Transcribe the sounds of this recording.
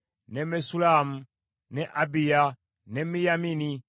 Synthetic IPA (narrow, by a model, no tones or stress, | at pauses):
nɛmɛsulamu | nɛʔabija | nɛmijamini